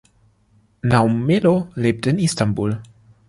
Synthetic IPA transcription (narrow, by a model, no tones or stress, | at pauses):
nawmeloleːp̚tɪnistanbul